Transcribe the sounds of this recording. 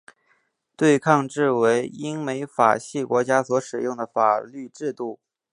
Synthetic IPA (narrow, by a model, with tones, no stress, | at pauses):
t̪we˥˧ɪkʰɑ˥˧ŋʈ͡ʂɻ̩˥˩we˧˥ɪi˥ŋme˧˥ɪfa̰˨˩ɕi˥˩kwɔ˧˥t͡ɕja˥swɔ˧˥ʂɻ̩˨˩jʊ˥˩ŋd̪ə˩fa˨˩ly˥˧ʈ͡ʂɻ̩˥˧t̪u˥˩